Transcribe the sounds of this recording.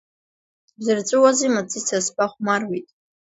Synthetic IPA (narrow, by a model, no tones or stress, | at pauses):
zɨrt͡sʷʼɨwazimat͡sʼisʰaspʼaχʷmarwitʼ